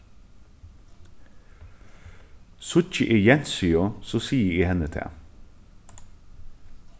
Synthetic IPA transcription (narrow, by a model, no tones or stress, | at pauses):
sʊt͡ʃəʔɪːjɛnsʏosoːsiːəiːhɛnət̪ʰæ̰ː